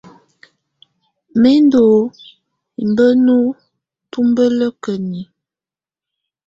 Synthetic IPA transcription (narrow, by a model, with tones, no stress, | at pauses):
me˦ndo˨ | i˨mbə˦nu˦ | tu˦mbə˦lə˦kə˨ni˨